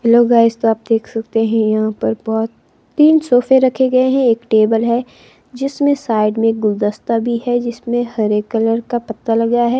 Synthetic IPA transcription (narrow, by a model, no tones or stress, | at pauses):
loːɡaːɪst̪oaːp̚d̪eːkʰsɐk̚t̪eɦɛ̃jɐɦãpɐɾbɔːt̪ː | iːnsoːfeɾɐkʰeɡɐeɦɛ̃eːkʈeːbəlɦɛ | d͡ʒɪsmẽsaːɪɖmẽk̚ɡʊld̪əst̪abʱiɦɛd͡ʒɪsmẽhɐɾekɐləɾkapɐt̪ːalɐɡaɦɛː